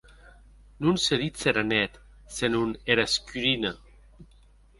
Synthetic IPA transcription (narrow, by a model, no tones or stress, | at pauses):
nunseɾit͡seɾanɛt̪ | senuneɾaskyɾina